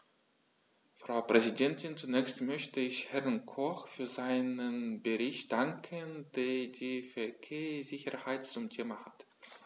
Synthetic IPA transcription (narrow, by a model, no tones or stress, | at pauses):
fʁ̥aʊpʁ̥ɛzidɛntʰɪnt͡sunɛːçstmœçtəɪçhɛʁnkʰɔχfyːɐzaɪnənbəʁɪçt̚d̥aŋkʰənd̥eːɐdiːfɛɐkʰeːɐz̥ɪçɐhaɪtt͡sʊmtʰeːmahat